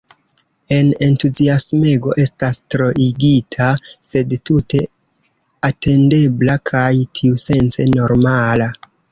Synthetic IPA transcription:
e̞ne̞ntuziasmeɡo̞ʔe̞stastɾo̞ʔiɡitʰase̞dtute̞ | ate̞nde̞blakʰajtʰiuse̞nt͡se̞no̞ɾmala

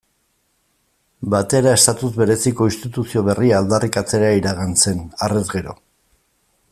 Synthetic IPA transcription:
bat̪e̞ɾae̞st̪at̪uzβe̞ɾe̞siko̞inst̪it̪usio̞β̞e̞riaːld̪arikat͡se̞ɾaiɾaɣanse̞nare̞zɣe̞ɾo̞̰

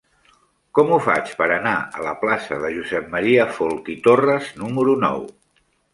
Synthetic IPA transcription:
kɔmufa̰t͡ʃpəɾənaə̰ləplasəðəʒuzɛp̚məɾiəfolˠk̪it̪orəznuməɾunɔ̰w

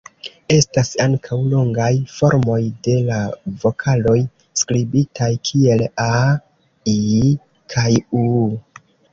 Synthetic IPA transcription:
e̞stasaŋkʰawloŋɡajfo̞ɾmo̞jde̞lavo̞kʰalo̞j | skɾibitʰajkʰie̞la | i | kʰaju

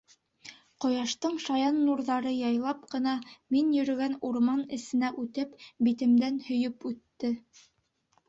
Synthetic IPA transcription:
qŏjɑʃt̪ɤɴʃɑjɑnːuɾðɑɾɤjɑjlˠɑp̚qɤ̆nɑminjɵ̆ɾɵ̆ɡænuɾmɑnɘ̆sɘ̆næʔʉt̪ɘpbit̪ɘ̆md̪ænhɵ̆jɵpʉt̪ːɘ

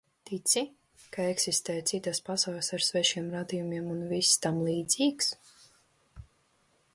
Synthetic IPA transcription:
t̪it̪sʲi | kaeksist̪ɛːjt̪sit̪aspasawlʲasaɾsvɛʃiɛmɾad̪ijumʲiɛmunvisːt̪amlˠiːd̪z̥ʲiːks

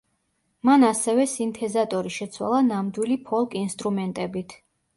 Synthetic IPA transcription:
manasɛvɛsint̪ʰɛzat̪ʼɔɾiʃɛt̪sʰwa̰lˠanamd̪wilipʰɔlˠkʼinst̪ʼɾumɛnt̪ʼɛbit̪ʰ

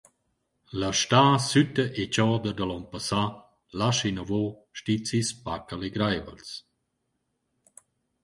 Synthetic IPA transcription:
ləʃtaːsytəʔet͡ʃɔːd̪əd̪əlɔnpasa | laʃinəvoʃtit͡sispakəleɡɾajvə̰ls

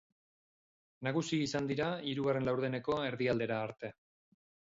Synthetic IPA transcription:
naɣ̞usiisand̪iɾaiɾuɣare̞nlawɾðene̞ko̞e̞ɾðiald̪e̞ɾaːɾt̪e̞

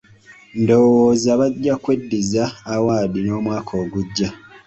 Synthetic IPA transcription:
ndo̞woːzaβaɟːakwe̞dːizaːwaːðino̞ːmwaːkʰo̞ːɡuɟːa

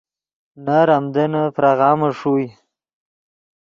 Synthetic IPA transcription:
naɾamd̪ənapɾaɣɑːmaʂuj

